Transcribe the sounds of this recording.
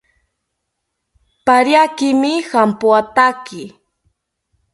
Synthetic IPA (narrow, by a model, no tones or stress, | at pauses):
paɾjakɪmɪxampʊat̪akɪ